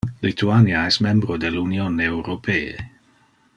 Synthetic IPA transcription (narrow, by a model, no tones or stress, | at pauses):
lit̪uanjaɛsmɛ̃mbɾod̪elunjonewɾopʰeːḛ